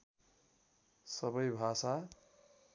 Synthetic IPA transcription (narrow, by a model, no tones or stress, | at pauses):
sʌbʌjbʱasa